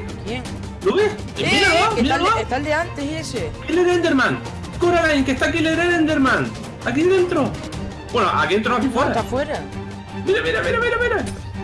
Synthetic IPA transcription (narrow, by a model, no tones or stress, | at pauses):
bjeŋ | luβeh | miɾaloaialaet̪ald̪eant̪eɦiesekileɾend̪eɾmãŋ | koɾalajŋkeht̪ak̬ileɾeɾend̪eɾmãŋ | ak̬iðent̪ɾo | bwenoʔa̰kient̪ɾoasifweɾat̪afweɾa | miɾamiɾamiɾamiɾamiɾa